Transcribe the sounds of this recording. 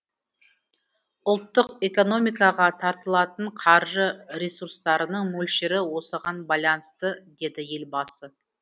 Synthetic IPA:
ʊlˠt̪ːəqe̞ko̞no̞mijkɑʁɑt̪ʰɑɾt̪əlˠɑt̪əɴqʰɑɾʒəɾesuɾst̪ɑɾənəɴmɵlʃɪɾɪwo̞səʁɑnbɑjlˠɑnəst̪əd̪e̞d̪ɪje̞lbɑsə

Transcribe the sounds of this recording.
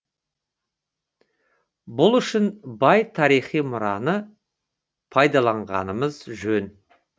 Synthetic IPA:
bʊlˠʏʃɪnbɑjt̪ʰɑɾijχijmʊɾɑnə | pʰɑjd̪ɑlˠɑɴʁɑ̰nəməzʒɵn

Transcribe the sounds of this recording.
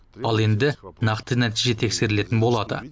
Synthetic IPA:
ɑlˠe̞nd̪ɪnɑqt̪ənæt̪iʒe̞t̪ʰe̞kse̞ɾɪle̞t̪ɪnbo̞lˠɑd̪ə̰

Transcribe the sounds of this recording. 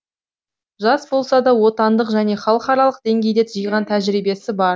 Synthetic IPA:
ʒɑsbo̞lˠsɑd̪ɑwo̞t̪ɑnd̪əqʒæne̞χɑlˠəqɑɾɑlˠəq̚d̪e̞ŋɡʲe̞jd̪e̞t̪ʰʒijʁɑnt̪ʰæʒɾijbe̞sɪbɑɾ

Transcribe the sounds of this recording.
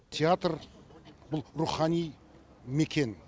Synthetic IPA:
t̪ʲʰeat̪rbʊlˠɾuχɑnij | mekʲe̞n

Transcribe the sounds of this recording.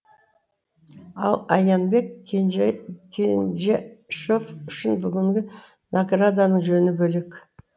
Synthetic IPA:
ɑ̰lˠɑjɑnbe̞k̪ʲ | kʲʰenʒeʃofʏʃɪnbʏɡʲɪŋɡʲɪ | nʔaɡrad̪anəɴʒɵnɪbɵlek

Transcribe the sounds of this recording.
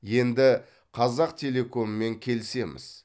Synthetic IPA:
je̞nd̪ɪ | qʰɑzɑqt̪ʲʰe̞lʲe̞ko̞nəme̞ŋkʲʰe̞lɪse̞mɪ̰z̥

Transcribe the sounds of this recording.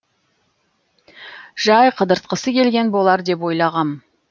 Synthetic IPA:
ʒ̥ɑjqʰəd̪əɾt̪̚qəsəkʲʰe̞lɡʲe̞nbo̞lˠɑɾd̪e̞pwo̞jlˠɑʁɑm

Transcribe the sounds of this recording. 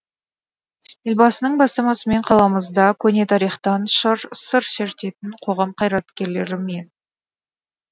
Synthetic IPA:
jelʲbɑsənəɴbɑst̪ɑmɑsəme̞ɴqʰɑlˠɑməzd̪ɑkʲʰɵne̞t̪ʰɑɾijχt̪ɑnʃəɾsəɾseɾt̪e̞t̪ɪɴqʰo̞ʁɑmqʰɑjɾɑt̪kʲe̞ɾle̞ɾɪme̞n

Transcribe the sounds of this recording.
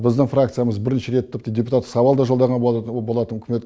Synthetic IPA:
bɪzd̪ɪɴfrakt̪sɨjaməzbɪɾneʃeɾet̪ʰʲːɪp̚t̪edʲe̞pu̥t̪at̪ːə̥sɑwɑlˠd̪ɑʒold̪ɑʁɑnbobolˠɑt̪ənʊkʲɪme̞t̪

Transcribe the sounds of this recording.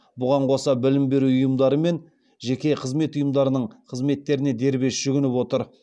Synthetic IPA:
bʊʁɑɴqʰo̞sɑbɪlɪmbe̞ɾuʊjəmd̪ɑɾəme̞n | ʒe̞kʲe̞qʰəzme̞t̪ʊjəmd̪ɑɾənəɴqʰəzme̞t̪ːe̞ɾɪne̞d̪e̞ɾbe̞sʒ̥ʏɡʲɪnɪpwo̞t̪əɾ

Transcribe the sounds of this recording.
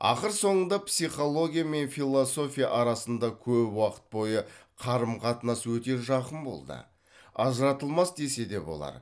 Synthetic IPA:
ɑ̰qəɾso̞ɴənd̪ɑpsijχo̞lˠo̞ɡʲijame̞nfilˠo̞so̞fʲijaʔɑɾɑsənd̪ɑkʲʰɵpwɑqə̥t̪̚bo̞jəqʰɑɾəmqʰɑt̪ənɑswɵt̪e̞ʒɑqənbo̞̰lˠd̪ə̰ | ɑzəɾɑt̪əlˠmɑsd̪e̞se̞d̪e̞bo̞̰lˠɑ̰ɾ

